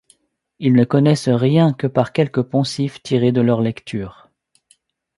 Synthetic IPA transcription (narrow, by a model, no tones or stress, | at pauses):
ilnəkɔnɛsʁjɛ̃kəpaʁkʲɛlkəpɑ̃sift̪ʰiʁed̪əlœʁlɛkt̪ʰyːʁ